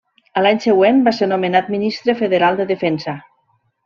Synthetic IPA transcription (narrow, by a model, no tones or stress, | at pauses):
əlaɲseɣwenbaseɾnomenat̪̚minist̪ɾefeðeɾalˠd̪əðefɛnsə